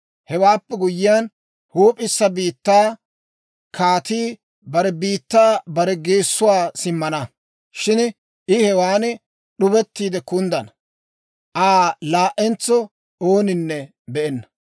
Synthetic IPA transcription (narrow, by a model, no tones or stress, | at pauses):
hɛwaːpːɛɡʊjɪjan | huːpʼɪsːɐbiːt̪ːaː | kʰaːt̪iː | bɐɾɛbiːt̪ːaːbɐɾɛɡeːsːʊwaːsɪmːɐnɐ | ʃɪn | ʔɪhɛwaːnɪ | ɗʊbɛt̪ːiːd̪ɛkʊnd̪ɐnɐ | ʔaːlaːʔɛnt͡sːɔ | oːnɪnːɛ | bɛʔɛnːɐ̥